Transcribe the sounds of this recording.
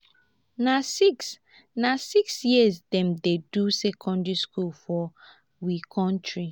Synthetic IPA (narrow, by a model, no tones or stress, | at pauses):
nasiks | nasiksjiəzdɛ̃mdedusɛkʰɔ̃ndɹiskulfɔ | wikʰɔ̃ntɹi